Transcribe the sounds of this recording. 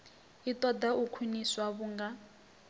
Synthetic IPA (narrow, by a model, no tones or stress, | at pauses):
it̪ɔd̪aukʰwiniswaβuŋɡa